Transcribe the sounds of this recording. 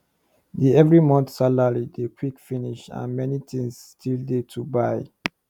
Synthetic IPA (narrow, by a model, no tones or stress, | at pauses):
diɛvɹimɔ̃nθsalaɹidekʰwikfiniʃã̰nmɛnitʰĩŋsstʰildetʰubaɪ